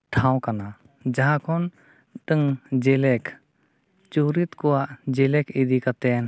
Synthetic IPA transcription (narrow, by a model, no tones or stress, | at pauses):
ʈʰãw̃kana | d͡ʒaɦãkʰɔn | ʈəŋd͡ʒɛlɛk | t͡ʃuɾit̪kɔwaʔd͡ʒɛlɛkʰid̪ikat̪ɛn